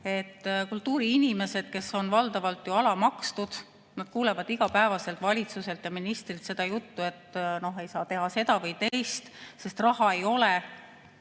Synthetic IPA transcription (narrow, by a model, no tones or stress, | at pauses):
e̞t̪ːkult̪ːuːɾiinime̞se̞d̪̥̚ke̞so̞nvɑld̪ɑvɑlt̪ˑjuɑlɑmɑkst̪ud̪̥ | nɑd̪̥kuːlevɑd̪iɡ̥ɑpæevɑse̞lt̪vɑlʲit̪suse̞lt̪jɑminist̪rit̪se̞d̪ɑjut̪ːue̞t̪ːno̞ɦe̞jsɑːt̪e̞ɦɑse̞d̪̥ɑvɤjt̪ejst̪se̞st̪rɑhɑe̞jo̞le